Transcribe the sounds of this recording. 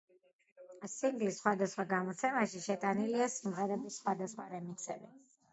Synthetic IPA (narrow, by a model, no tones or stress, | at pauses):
siŋɡlisːχwad̪asχwaɡamɔt̪sʰɛmaʃiʃɛt̪ʼaniliasimʁɛɾɛbisːχwad̪asχwaɾɛmiksɛbi